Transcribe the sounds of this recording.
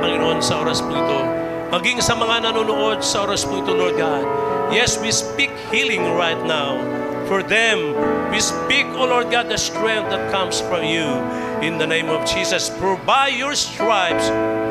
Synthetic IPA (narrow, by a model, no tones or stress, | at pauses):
pɐŋɪnoʔonsɐoːɾɐspult̪o | mɐɡiŋsɐmɐŋanɐnoːnoʔo̞d̪̚sɐʔoːɾɐspult̪oloɹd̪̚ɡad̪̚jɛswispikhilɪ̃ŋɹajt̪̚naw | fɔɹðɛ̃mwispikoloɹd̪̚ɡad̪̚ːɐst̪ɹɛ̃nk̪̚d̪ɐt̪̚kʰɐ̃msfɹɔ̃mju | ʔɪ̃nd̪ɐnẽj̃mɔvd͡ʒiːsɐspɔbajːɔɹst̪ɹajbs